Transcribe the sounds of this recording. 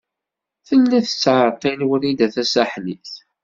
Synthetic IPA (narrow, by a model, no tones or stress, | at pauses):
θənːæθə̥t͡sːʕəɾqːinwəɾid̪æθæsæħniθ